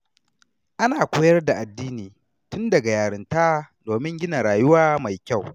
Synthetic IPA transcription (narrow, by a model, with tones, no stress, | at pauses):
ʔa˦naː˨kʷoː˦jɐ˦rda˨ʔa˨dːiː˦niː˨ | tʊ˦ndɐ˨ɡa˨jaː˨ɽɪ˨ntaː˦doː˨mɪ˦ŋɡʲɪ˦na˨ɾaː˨jʊ˦waː˦ma˨jkʲa˦˨w